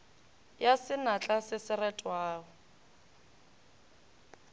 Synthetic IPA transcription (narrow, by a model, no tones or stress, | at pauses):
jasɪnat͡ɬʼasɪsɪrɛtʼwaːɣɔ